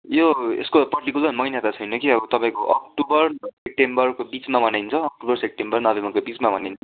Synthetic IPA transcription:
joḛskopʌrʈikulʌrmʌjnjat̪at͡sʰʌjnokiʌbʌt̪ʌpãĩkoʔʌk̚ʈubʌrsep̚ʈembʌrkobit͡smabʱʌnajnt͡sʰʌːk̚ʈubʌrsep̚ʈembʌrnʌbemʌkobit͡smabʱʌnajnt͡sʰʌ

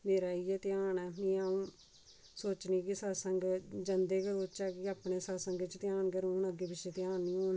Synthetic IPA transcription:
meːɾaːiːɛːt̪ɪjaːnɛːmiːaːũː | soːt͡ʃniːkɪsəːsəŋɡd͡ʒənd̪eːksoːt͡ʃaːkɪaːpɳeːsaːsəŋɡt͡ʃt̪ɪjaːɳkəɾõːnəɡeːbɪʃet̪ɪjaːnːiːõːn

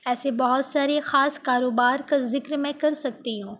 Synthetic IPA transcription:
ɛːsebɐɦʊt̪saːɾexaːskaːɾoːbaːɾkazɪkɾmẽkɐɾsɐk̚t̪iɦũː

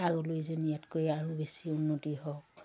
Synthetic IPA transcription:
aɡɔlojzonijatkojaɹubesiunːotiɦɔk

